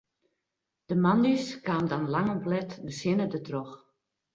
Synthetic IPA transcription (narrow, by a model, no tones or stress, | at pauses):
d̥əmanyskaːmdanlaŋɔmplɛtdəsɪnədətrɔx